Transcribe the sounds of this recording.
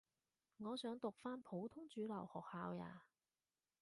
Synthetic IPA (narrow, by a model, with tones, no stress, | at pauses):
ŋɔː˨˧sœː˨˥ŋt̪ʊ˨k̚faː˥npʰo˨˧˥wt̪ʰʊ˥ŋt͡ʃyː˨˧˥lɐ˨˩whɔː˨˩k̚haː˨˥wja̰ː˨˧